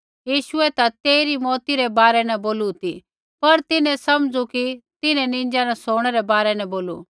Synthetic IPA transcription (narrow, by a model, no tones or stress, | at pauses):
jiːʃʊɛt̪at̪eːɾimɔːt̪iɾɛbaːɾɛnɐ̃boːlut̪i | pɐɾt̪ɪnɛ̃sɐmd͡zukit̪ɪnɛ̃nɪ̃n̆d͡ʒanɐsoːɽ̃ɛɾɛbaːɾɛnɐ̃boːlṵ